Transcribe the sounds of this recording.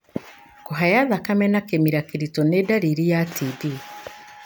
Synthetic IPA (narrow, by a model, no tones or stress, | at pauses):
koɦajaðakamɛnakemiɾakiɾitonedaɾiɾijatʰiði